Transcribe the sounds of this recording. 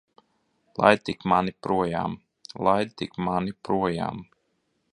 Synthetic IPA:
lˠa̰jd̪̚t̪ikmanipɾuɔja̰ːm | lˠaj̪t̪ikmanipɾuɔja̰ːm

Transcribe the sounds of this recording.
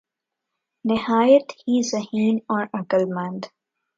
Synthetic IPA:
nɪhaːjət̪hiːzɐhĩːnɔːɾɐkəlmə̃nd̪

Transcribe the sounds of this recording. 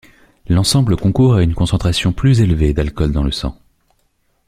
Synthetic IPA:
lɑ̃sɑ̃bləkɔ̃kuʁaynkɔ̃sɑ̃t̪χasjɔ̃plyzelved̪alkɔld̪ɑ̃ləsɑ̰̃

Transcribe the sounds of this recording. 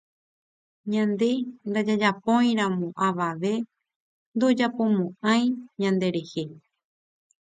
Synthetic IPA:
ɲãnd̪e̞nd̪ad͡ʒad͡ʒapõ̞j̃ɾ̃ãmõʔaʋaʋe̞ | nd̪o̞d͡ʒapõ̞mõʔãj̃ɲãnd̪e̞ɾe̞he̞

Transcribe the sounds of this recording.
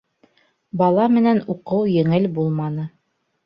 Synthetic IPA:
bɑlˠɑmɘ̆nænuqɤwjɘ̆ŋɘlbulˠmɑnɤ

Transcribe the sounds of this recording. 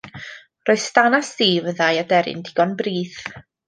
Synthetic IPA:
roɨð̥stanasiːvəðajadɛɾɪ̰ndɪɡ̥ɔnbriːθ

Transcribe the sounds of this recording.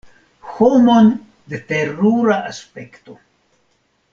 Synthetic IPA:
xomon | d̪eteɾuɾaʔaspekto

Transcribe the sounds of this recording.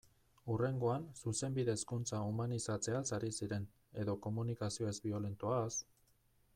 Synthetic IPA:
ure̞ŋɡo̞ansuse̞mbiðe̞ːskunt͡saumanisat͡se̞asaɾisiɾe̞n | e̞ðo̞ko̞munikasio̞ezbio̞le̞nt̪uas

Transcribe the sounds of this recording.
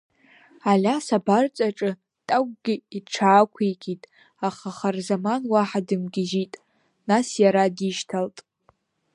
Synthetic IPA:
alʲasabart͡sʼaʈ͡ʂʼɨ | tʼaɡʷʼɡʲɪiʈ͡ʂʰaːkʷʰekʰʲʼitʼ | aχaχarzamanwaħadɨmɡʲɪʒitʼ | nasjaɾadiʃtʰaltʼ

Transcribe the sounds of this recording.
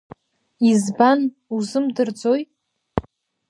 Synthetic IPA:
izban | uzɨmdɨrd͡zo̞j

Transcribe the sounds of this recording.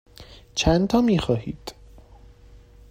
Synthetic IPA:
t͡ʃʰænt̪ʰɒːmiːxɒːhiːd̪̥

